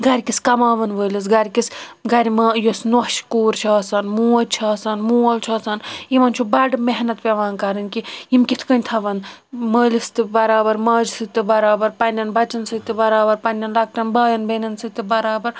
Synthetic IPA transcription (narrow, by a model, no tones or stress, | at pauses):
ɡɐɾʲkiskɐmaːʋɐnʋəːlis̬ɡɐɾʲkisɡɐɾʲmajosnoʃkoːɾt͡ʃʰaːsɐnmuːɐlt͡ʃʰaːsɐnmuːɐlt͡ʃʰɐːsɐnimɐnt͡ʃʰubɐɖmeɦnɐt̪pʲɐʋaːnkɐɾɨnkiimkʲit̪ʰkɐnʲt̪ʰɐʋɐnməːlist̪ɨbɐɾaːbɐɾmɐːd͡ʒsɨt̪ɨbɐɾaːbɐɾpɐnʲːɐnbɐt͡ʃɐnsɨt̪ɨbɐɾaːbɐɾpɐnʲɐnlɐk̚ʈɐnbaːjɐnbenɐnsɨt̪ɨbɐɾaːbɐɾ